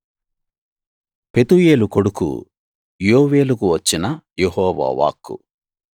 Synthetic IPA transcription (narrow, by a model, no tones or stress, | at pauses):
pe̞t̪uje̞ːluko̞ɽukṵ | joːʋe̞ːlukuʋɐt͡ʃːinɐjehɔːʋa̰ːʋa̰ːkːṵ